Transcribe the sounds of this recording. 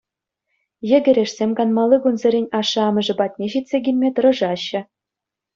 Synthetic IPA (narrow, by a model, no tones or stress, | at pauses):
jɘ̆ɡʲɘ̆ɾʲeʂsʲemʲkɑnmɑlˠːɯɡunzɘ̆ɾʲenʲɑʂːɤ̆ɑmɤ̆ʐɤ̆bɑtʲnʲeɕit̪ʲsʲeɡʲilʲmʲet̪ɤ̆ɾɤ̆ʐɑɕːɘ̆